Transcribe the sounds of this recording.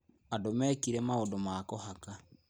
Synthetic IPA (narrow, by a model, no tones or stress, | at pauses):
adomɛkiɾɛmaodomakɔhaka